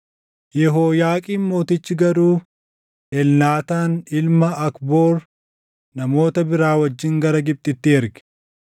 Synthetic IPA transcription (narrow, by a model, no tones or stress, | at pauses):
jɛɦoːjaːkʼiːnmo̞ːt̪ɪt͡ʃːɪɡɐɾuː | ɛlnaːt̪aːnɪlmɐɐkbo̞ːɾ | nɐmo̞ːt̪ɐbɪɾaːwɐd͡ʒːɪŋɡɐɾɐɡɪp̚t̪ʼɪt̪ːɪɛɾɡɪ̥